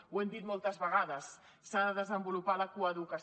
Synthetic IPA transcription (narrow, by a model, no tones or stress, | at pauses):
wend̪it̪molˠt̪ɐzβaɣ̞aðɐsː | aðəzembulupalakuaðukas